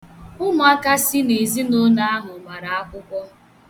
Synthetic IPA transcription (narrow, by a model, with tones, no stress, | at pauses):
ʊ˦m˦a˦ka˦sɪ˦ne˨zi˦no˦na˦a˦ɦʊ˨ma˨ɾa˨a˦kʷʊ˦kʷɔ˦